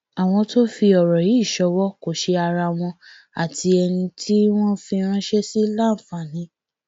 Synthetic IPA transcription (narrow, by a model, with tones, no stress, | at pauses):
a˨w̃ɔ̃˧to˦fi˧ɔ˨ɾɔ˨ji˨˦˨ʃɔ˧˦wɔ˦ko˨ʃe˧a˧ɾa˧w̃ɔ̃˧ | a̰˨tʰi˧ɛ˧nĩ˧tʰi˦w̃ɔ̃˦fi˧ɾ̃ã˦ʃe˦si˦la˦˨fa˨nĩ˨˦